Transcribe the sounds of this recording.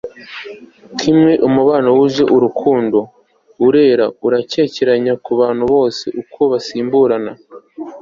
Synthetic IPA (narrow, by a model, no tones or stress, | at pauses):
kʰimŋe̞ʔumuβaːnawuʒe̞ʔuɾukʰuːndo̞ | uɾe̞ːɾauɾace̞ce̞ɾaɲakuβaːnhuβo̞ːse̞̰ʔukʰo̞βasiːmbuɾana